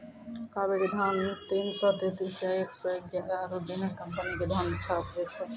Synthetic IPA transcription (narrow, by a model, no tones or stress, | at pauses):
kabeɾed̪ʱant̪insɔt̪et̪isjaeksɔeɡjaɾaɾɔbinakəmpəniked̪ʱant͡ʃʰapɦet͡ʃʰɛ